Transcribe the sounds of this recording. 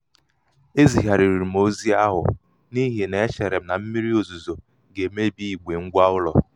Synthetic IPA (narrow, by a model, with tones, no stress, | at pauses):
e˦zi˨ɦa˨ɾi˨ɾi˨ɾi˨m̩o˦zi˦a˦ɦʊ̰˨ | ni˦ɦe˨ne˨e˦t͡ʃe˨ɾe˨m̩˦na˨m̩˦mi˦ɾi˦o˨zu˨zo˨ | ɡe˨˦me˦bi˦i˨ɡ͡be˨ŋ̩˦ɡʷa˦ʊ˦lɔ̰˨